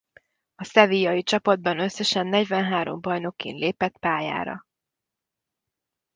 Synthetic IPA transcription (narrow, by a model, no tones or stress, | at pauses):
ɒsɛvijɒjit͡ʃɒpɒd̪̚bɒnø̞sːɛʃɛnːɛɟvɛnɦaːɾo̞̰mbɒjno̞kːḛːnleːpɛt̪paːja̰ːɾɒ̰